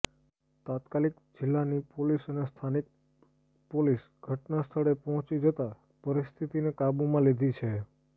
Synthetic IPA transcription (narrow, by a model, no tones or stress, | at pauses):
t̪at̪kalik | d͡ʒɪlːanipolisənest̪ʰanik̚ | polis | ɡ̥ʱəʈnast̪ʰəɽepɔɦɔ̃t͡ʃid͡ʒət̪a | pəɾist̪ʰit̪inekabumãlid̪ʱit͡ʃʰe